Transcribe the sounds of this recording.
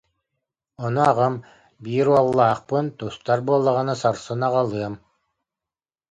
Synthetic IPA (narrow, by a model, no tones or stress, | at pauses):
ɔnuaʁɯm | biːɾualˠːaːqpɯnt̪ust̪aɾbuɔlˠːaʁanasaɾsɯnaʁalˠɯɐm